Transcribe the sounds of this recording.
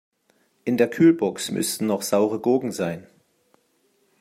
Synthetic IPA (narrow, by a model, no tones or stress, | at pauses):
ʔɪndeːɐkʰyːlbɔksmʔʏ̰stn̩nɔχz̥aʊʁəɡoːɡŋ̩zaɪn